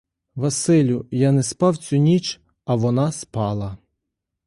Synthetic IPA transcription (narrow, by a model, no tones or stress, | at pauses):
ʋɐsɪlʲʊjanɛspɑwt͡sʲunʲit͡ʃ | ɐʋɔnɑspɑlˠɐ